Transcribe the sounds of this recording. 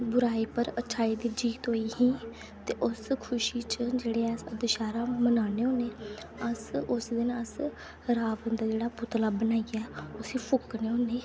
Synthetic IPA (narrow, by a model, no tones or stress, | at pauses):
bʊɾaːiːpəɾət͡ʃʰaːiːd̪iːd͡ʒiːɡt̪ɦoːiːɦĩː | t̪eːʔʊskʰʊʃiːt͡ʃd͡ʒeːɽeːɛsəd̪ɪʃaːɾaːmənaːneːoːneː | əsʊsd̪ɪnəs | ɾaːʋənd̪aːd͡ʒeːɽaːpʊt̪laːbənaːiɡaɛːʊsiːpʰʊkːneːɦõːneː